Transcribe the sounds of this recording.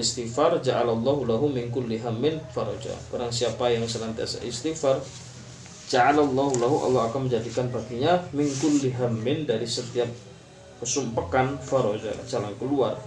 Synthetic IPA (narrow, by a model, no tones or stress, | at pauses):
ist̪ifard͡ʒaʕalalˤːɑɦulaɦumɪnkʊlːiɦamːɪnfaɾɔ̰d͡ʒa̰b̥aɾaŋsiapajaŋsəlant̪ia̰sa̰ʔɪst̪ifar | d͡ʒaʕalalˤːɑɦulaɦuʔa̰lːɑɦakanməɲd͡ʒadikanpaɡiɲamɪnkʊlːiɦamːɪndaɾisət̪iap̚ | pəsumpakanfaɾɔd͡ʒa̰t͡ʃalaŋkəlua̰r